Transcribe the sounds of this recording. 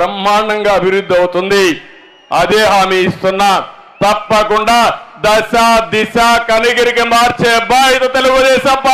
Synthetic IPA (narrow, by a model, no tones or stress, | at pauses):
ɾɐmːaːnɐŋɡaːɐbʱiɾud̪ʱːiɐwut̪und̪i | ɐd̪eːɦaːmiːst̪unːa | t̪ɐpːɐkuɳɖaːd̪ɐʃaːd̪iʃaːkɐniɡɐɾikimaːɾt͡ʃeːbaːɾit̪ɐt̪eluɡud̪ɛːʃɐmp